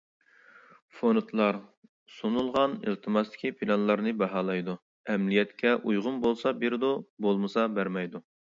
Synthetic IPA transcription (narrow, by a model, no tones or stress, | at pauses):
fonut̪ʰlˠɑɾ | sunulˠʁɑnḭlˠt̪ʰɨmɑst̪ɪ̥kʲipʰilɑnlˠɑɾnɨbɑɦɑːlˠɑjd̪u | ɛmlijɛt̪kʲʰɛʔujʁʊmbolˠsɑbeɾd̪ubolˠmɨsɑbæɾmɛjd̪u